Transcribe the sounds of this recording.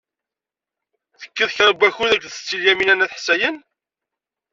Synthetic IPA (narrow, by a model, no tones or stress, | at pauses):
θə̥kːiðçɾˤəbæçuðæɡðət͡sːiljæminænæθħsæjən